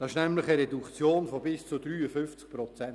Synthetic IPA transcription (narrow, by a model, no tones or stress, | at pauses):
d̥ɑɪʃnɛmləχəɾɛdukt͡sjoːnfɔbɪst͡sudɾyːəfʏnft͡sk̚pɾɔt͡sɛn